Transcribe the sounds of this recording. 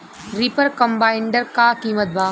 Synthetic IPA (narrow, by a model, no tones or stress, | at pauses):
ɾipəɾkɐmbaːɪɳɖəɾkaːkiːmət̪̚baː